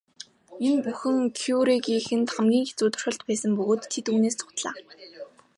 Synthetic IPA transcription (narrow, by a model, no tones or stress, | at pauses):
enpuxɘ̆ŋkʰuɾiɡiːxɘ̆nt̪χamɡʲiːŋxet͡suːt̪ʊ̥̆r̥χə̆ɮt̪pæːsə̆mpɵɣoːt̪ʰːet̪uːneːst͡sʰʊ̥t̪ɮa̰ː